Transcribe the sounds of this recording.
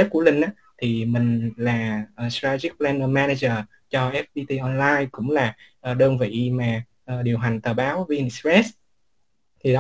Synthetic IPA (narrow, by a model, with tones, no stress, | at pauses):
e˦˥p̚ku˧˩əlï˨˩ŋ̟ʔaː˨˦ | t̪ʰi˨˩mï˨˩ŋ̟laː˨˩ʔəː˨˩stɾaː˧t̪i˦˥k̚plɛː˧nə˧maː˧na˧zəː˨˩ | t͡ɕɔ˧ʔɛ˦˥f̚ɓi˧t̪i˧ʔɔ˧nlaː˧jkʊ̰˧˥ŋ͡mlaː˨˩ʔːɗəː˧nvḭ˧˨maː˨˩ | ʔəː˨˩ɗi˨˩əwɦa˨˩jŋ̟t̪əː˨˩ɓaː˨˦wvi˧ʔi˧nsɹɛ˦˥s | t̪ʰi˨˩ɗɔ˨˦